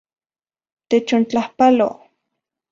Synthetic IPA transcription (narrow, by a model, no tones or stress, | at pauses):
t̪et͡ʃont͡ɬahpalo̰